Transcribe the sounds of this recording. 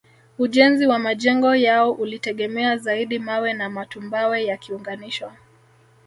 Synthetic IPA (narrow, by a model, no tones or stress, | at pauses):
uʄɛnziwamaʄɛŋɡɔjaɔʔulitɛɠɛmɛazaiɗimawɛnamatumbawɛjakiuŋɡaniʃwɔ